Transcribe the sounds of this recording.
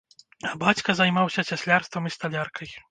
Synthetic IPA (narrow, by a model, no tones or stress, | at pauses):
abat͡sʲkɐzajmawsʲɐsʲasʲlʲarst̪vɐmist̪alʲarkʰɐj